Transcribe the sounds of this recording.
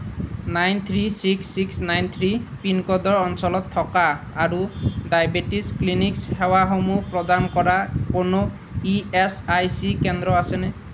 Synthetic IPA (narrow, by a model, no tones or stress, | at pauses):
najnt̪ʰɾisiksːiksnajnt̪ʰɾipinkɔd̪ɔɹɔnsɔlɔt̪ʰːɔkaː | ɾudajbeʈisklinikshewaɦomupɾɔd̪ankɔɾakono | iesajsikend̪ɾɔasene